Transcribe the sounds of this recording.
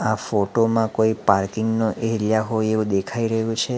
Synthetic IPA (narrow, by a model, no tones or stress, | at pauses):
afoʈomãkoipaɾkɪŋɡnoʔeɦljaɦojeʋũd̪ekʰaiɾəɦjũt͡ʃʰe